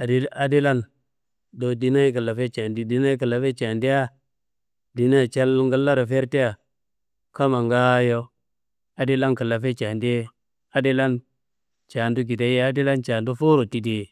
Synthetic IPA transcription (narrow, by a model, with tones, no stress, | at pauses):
a˨di˦a˨di˦la˦n | do˨di˦na˦i˦kə˨la˨fe˦t͡ʃa˨ndi˦di˦na˦i˦kə˨lːa˨fe˦t͡ʃa˨ndi˦ja˦ | di˨na˦˨t͡ʃa˦lŋɡa˦lːa˦ɾa˨fe˦ɾti˦ja˨ | ka˦ma˨ŋɡa˦jo˦ | a˨di˦la˦nkə˨la˨fe˦t͡ʃa˨ndi˦ | a˦di˦la˦n | t͡ʃa˨ndu˦ɡi˨da˨˦je˦a˦di˦la˦nt͡ʃa˨ndu˦fu˦ɾo˨ti˦di˨